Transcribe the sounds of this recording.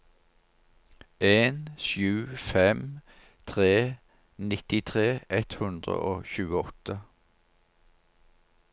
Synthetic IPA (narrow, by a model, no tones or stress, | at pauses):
ʔeːnʃjʉːfɛm | t̪ʰʁeː | nɪt̪ɪt̪ʰʁeːʔɛt̪hʉnd̪ʁə̰ʔoːçʉːəɔt̪ə